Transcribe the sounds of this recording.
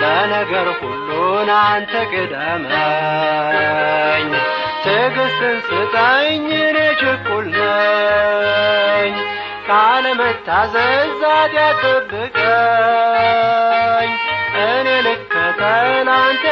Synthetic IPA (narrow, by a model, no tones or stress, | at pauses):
bənəɡəɾhulːunant̪ʰəɡɨd̪əmə | ɲ | t̪ʰɨɡɨsɨnsɨt̪ʼaɲːɨnet͡ʃɪkʼːulnə | ɲː | kʼaləmət̪ʰːazəzad̪at̪ʼəbːɨkʼə | ɲʔɨnelɨkʼkʰːət̪ʰənant̪ʰ